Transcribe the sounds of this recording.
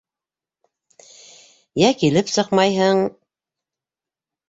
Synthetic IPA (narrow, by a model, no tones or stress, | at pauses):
jækilɘpsɤqmɑjɦɤɴ